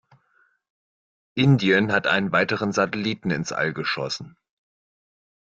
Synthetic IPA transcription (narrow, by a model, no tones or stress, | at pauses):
ʔɪndiənɦatʔaɪnənvaɪtəʁ̞ənzatɛliːtn̩ɪ̰nsʔa̰lɡəʃɔ̰sn̩